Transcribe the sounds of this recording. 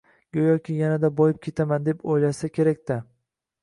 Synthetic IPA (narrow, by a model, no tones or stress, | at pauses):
ɡʲojɒkʲɪjanad̪abɒjɪp̚kʲʰe̞t̪ʰamand̪e̞pʰojlaʃsakʲʰe̞ɾakʲt̪a